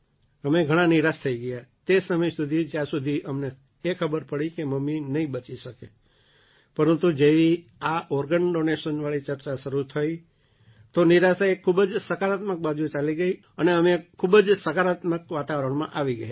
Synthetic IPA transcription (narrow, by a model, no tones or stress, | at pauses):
əmeɡʱəɽ̃ãniɾast̪ʰəiɡəjat̪esəməjsud̪ʱid͡ʒjãsud̪ʱiʔəmne | ekʰəbəɾpəɽikeməmːinəɦĩbət͡ʃiʃəke | pəɾənt̪ud͡ʒeʋiaʔɔɾɡənɖoneʃənʋaɭit͡ʃəɾt͡ʃaʃəɾut̪ʰəi | t̪oniɾasaekʰːubəd͡ʒsəkaɾat̪mək̚bad͡ʒũt͡ʃaliɡəi | əneəmekʰːubəd͡ʒsəkaɾat̪məkʋat̪aʋəɾəɳ̃mã̰ʔaʋiɡəja